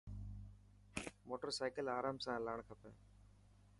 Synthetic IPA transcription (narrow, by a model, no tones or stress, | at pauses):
moːʈəɾsaːɪkəlaːɾaːmsãːlaːɳkʰəpə̰